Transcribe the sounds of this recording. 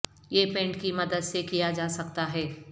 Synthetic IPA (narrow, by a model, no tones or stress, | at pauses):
jepẽːɳʈkimɐd̪əd̪sekijad͡ʒaːsɐkt̪aɦɛː